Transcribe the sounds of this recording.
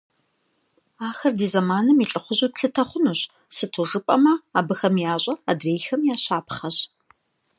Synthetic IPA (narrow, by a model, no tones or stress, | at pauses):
aːxɐrdiːzɐmaːnɨmiɬʼɨχʷʊʑuːtɬɨtʰɐχʷʊnuːɕ | sɨtʰuʁəpʼɐmɐaːbɨxɐmjaːɕʷʼɐa̰dreːjxɐmjaːɕaːpχɐɕ